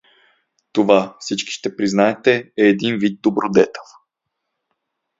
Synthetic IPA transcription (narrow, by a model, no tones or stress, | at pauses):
t̪ovafsit͡ʃki̥ʃt̪ɛpɾiznaɛt̪ɛɛːd̪invid̪̚d̪obɾod̪ɛt̪ɛ̥lˠ